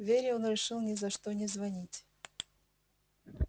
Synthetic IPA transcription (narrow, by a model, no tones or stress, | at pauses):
vʲeɾʲɪonɾʲɪʂɨlˠnʲɪzɐʂt̪onʲɪzvɐnʲitʲ